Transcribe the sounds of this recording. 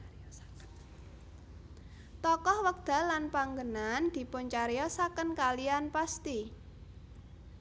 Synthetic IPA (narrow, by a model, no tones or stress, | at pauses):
t̪ɔkɔhwək̚d̪̥a̤lanpaŋɡənand̪̥i̤pʊɲt͡ʃaɾejɔsakənkalianpast̪i